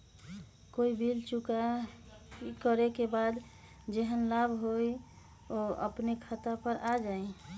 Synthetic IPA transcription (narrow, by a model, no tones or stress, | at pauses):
koibʱilt͡ʃuka | kəɾekebad̪ | d͡ʒeɦənlabʱɦoj | oə̰pnekʰət̪apəɾʔad͡ʒaĩ